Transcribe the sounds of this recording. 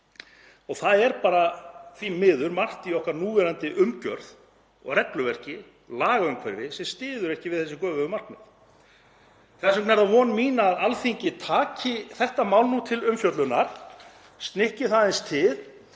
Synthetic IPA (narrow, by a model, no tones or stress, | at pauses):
ɔɣθaðɛɾpaːɾaθvimɪːðʏɾmar̥t̪iɔhkaɾnuːvɛɾant̪ɪʔʏmcœ̰ɾð | ɔ̰ɣrɛklʏvɛr̥cɪ | laːɣaʏmkʰvɛɾvɪðsɛmst̪ɪːðʏɾɛhcɪvɪðθɛsːɪkœːvʏʏmarnɪ̰θ | θɛsʏmknɛɾðavɔnmiːnaːðalθiɲcɪt̪ʰaːcɪθɛht̪amawlnut̪ʰɪlʏmfjœt̪lʏnaɾ̥ | st̪nɪhcɪθaðɪnst̪ʰɪð